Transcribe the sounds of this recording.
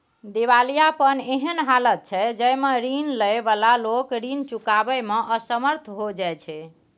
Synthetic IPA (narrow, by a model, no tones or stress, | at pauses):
d̪iβalijapəneɦənɦalət̪̚t͡ʃʰɛd͡ʒəjmeɾinləjbalalokɾint͡ʃukabɛmeʔəsəməɾt̪ʰɦod͡ʒajt͡ʃʰɛ